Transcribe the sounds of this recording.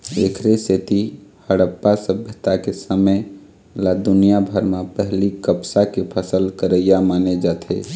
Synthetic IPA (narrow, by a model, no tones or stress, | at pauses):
eːkʰɾeset̪ihəɽəpːasəbjət̪akesəməj | lad̪ʊnijabʱəɾmapəɦlikəbsakepʰəsəlkəɾəijamaːned͡ʒaːt̪ʰḛ